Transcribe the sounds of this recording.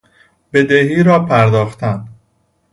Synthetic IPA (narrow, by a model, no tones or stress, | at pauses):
be̞d̪ehiːɾɒːpʰæɾd̪ɒːxt̪ʰænd̪